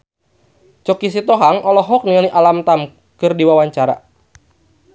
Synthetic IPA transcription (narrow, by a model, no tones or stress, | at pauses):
t͡ʃɔkis̬it̪ɔɦaŋɔlɔɦɔk̚niŋaliʔalamt̪am | kɨrdiwawaɲt͡ʃaɾa̰